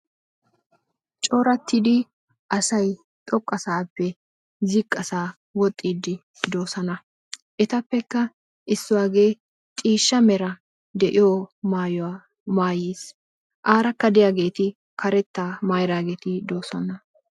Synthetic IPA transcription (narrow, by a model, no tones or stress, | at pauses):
t͡ʃʼo̞ːɾɐt̪ːid̪ɪ | ʔɐsɐj | t̪ʼɔkʼːɐsaːpːɛ | zɪkʼːɐsaː | wɔt̪ʼːiːd̪ɪ | d̪o̞ːsɐnɐ | ʔɛt̪ɐpːɛkːɐ | ʔɪsːʊwaːɡe̞ː | t̪ʼiːʃːɐmɛɾɐ | d̪ɛʔɪjoːmaːjɔwa | maːjeːs | ʔaːɾɐkːɐd̪ɪjaːɡe̞ːt̪ɪ | kʰɐɾɛt̪ːaːmaːjɾaːɡeːt̪ɪd̪o̞ːsɐnɐ